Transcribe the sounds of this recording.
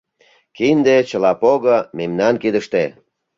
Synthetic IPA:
kind̪et͡ɕəlɑpoɣəmemnɑnkid̪əʃt̪e

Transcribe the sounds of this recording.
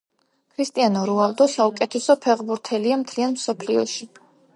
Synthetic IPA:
kʰɾist̪ʼianɔɾualˠd̪ɔsaukʼɛt̪ʰɛsɔpʰɛʁbuɾt̪ʰɛliamt̪ʰlianmsɔpʰliɔʃi

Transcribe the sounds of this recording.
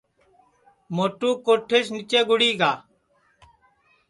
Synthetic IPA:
moːʈuːkoːʈʰeːsnit͡ʃeːɡʊɽiːɡaː

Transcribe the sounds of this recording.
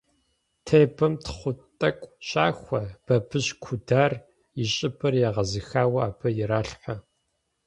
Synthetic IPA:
tʰeːbɨmtʰχʷʊtʼɐkʷʼɕʼaːxʷɐb̥ɐbɨʑkʷʰʊdaːr | jɪɕʼɪpʰɨrjaːʁɐzɨxaːwɐaːbʰɐjɪɾaːɬħʷa

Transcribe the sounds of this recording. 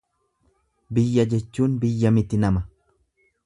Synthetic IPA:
bɪjːɐd͡ʒɛt͡ʃːuːnbɪjːɐmɪt̪ɪnɐmɐ

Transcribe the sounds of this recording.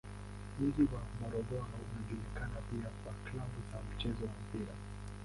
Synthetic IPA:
m̩ziwamɔɾɔɡɔɾɔunaʄulikanapiakwaklabuzam̩t͡ʃɛzɔwam̩piɾa

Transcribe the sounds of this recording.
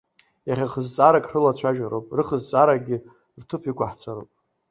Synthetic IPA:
jaχʲaχəzt͡sʼaɾakʼrɨlat͡ɕʷʰaʒᶣaɾopʼrɨχəzt͡sʼaɾaɡʲɪ | rtʰɨpʰikʷaħt͡sʰaɾo̰pʼ

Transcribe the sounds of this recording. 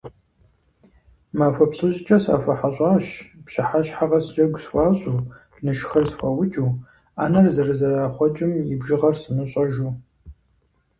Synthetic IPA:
maːfɐpɬɨʑt͡ʃʼɐsa̰ːfɐħaɕʼɑːɕpɕɐħaɕħaʁɐst͡ʃʼɐɡʷswɑːɕʼuː | nɨʃxɐrsfʷɐwʊt͡ʃʼuː | aːnɐrzɐrɨzɐraːχʷɔt͡ʃʼɪmjɪbʒɪʁɐrsɨmɨɕʼɐʒuː

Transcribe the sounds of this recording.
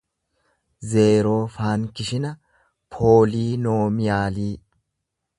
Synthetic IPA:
ze̞ːɾo̞ːfaːŋkɪʃɪnɐ | pʰo̞ːliːno̞ːmɪjaːliː

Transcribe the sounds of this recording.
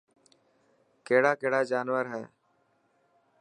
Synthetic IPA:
keːɽaːkeːɽaːd͡ʒaːnʋəɾɦɛː

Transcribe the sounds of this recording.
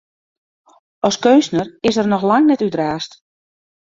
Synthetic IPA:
ɔskønsnərɪsərnɔxlaŋnɛtydraːst

